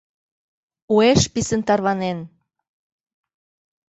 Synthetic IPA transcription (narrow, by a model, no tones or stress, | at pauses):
ueʃpisənt̪ɑrβɑnen